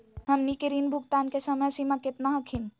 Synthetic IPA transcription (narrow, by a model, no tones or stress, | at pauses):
ɦɐmnikɪɾiːnbʱʊɡt̪aːnkesəməjsimãkɪt̪naɦəkʰin